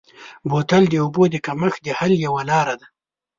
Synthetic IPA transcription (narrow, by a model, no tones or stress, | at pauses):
bot̪ald̪əobod̪əkaməxd̪əhaljawalɑɾad̪a